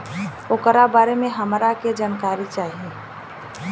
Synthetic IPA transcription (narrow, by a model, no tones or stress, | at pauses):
oːkəɾabaːɾemẽɦəmɾaked͡ʒaːnkaːɾit͡ʃaːɦie